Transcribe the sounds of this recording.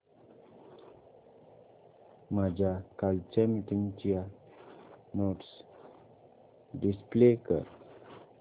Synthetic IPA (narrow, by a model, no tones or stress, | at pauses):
mad͡ʑʱakalt͡ʃɛmiʈiŋt͡ɕija | moʈs | ɖisplekə̰ɾ